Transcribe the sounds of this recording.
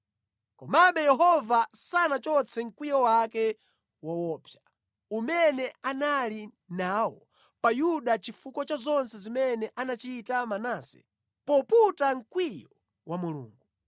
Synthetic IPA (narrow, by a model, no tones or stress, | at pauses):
kɔmamɓɛjɛɦɔvasanat͡ʃɔt͡sʰɛŋ̩kwijɔwakɛ | wawɔːpʰja | umɛnɛanali | naːwɔ | pajuɗat͡ʃifukɔt͡ʃazɔnsɛzimɛnɛʔanat͡ʃitamanaːsɛ̥̰ | pɔputaŋ̩kwijɔ | wamulṵːŋɡu